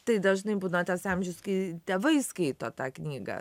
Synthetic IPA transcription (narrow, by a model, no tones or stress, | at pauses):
t̪ɐɪd̪ɐʒnɐɪbuːnɐt̪ɐsɑmʲʒʲʊskɐɪt̪ʲeːʋɐɪskɐɪt̪oːt̪ɑːknʲiːɡɐ̰